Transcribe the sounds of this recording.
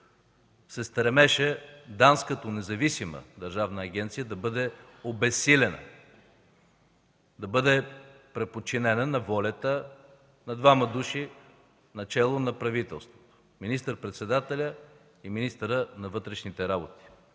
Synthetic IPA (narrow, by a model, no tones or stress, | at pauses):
sɛst̪ɾɛmɛʃɛd̪anskət̪onɛzɐvisimə̰d̪ɐɾʒavnəːɡ̟ʲɛnt̪sijəd̪ɐbɤd̪ɛ | obɛsilʲɛnə̰ | d̪ɐbɤd̪ɛpɾɛpot͡ʃinɛnənɐvɔlʲɐt̪ə | nɐd̪vamɐd̪uʃi | nɐt͡ʃɛlˠonɐpɾɐvit̪ɛlˠst̪vot̪o̥ | minist̪əɾpɾɛt̪sɛd̪at̪ɛlʲə | iminist̪əɾənɐvɤt̪ɾɛʃnit̪ɛɾabot̪i̥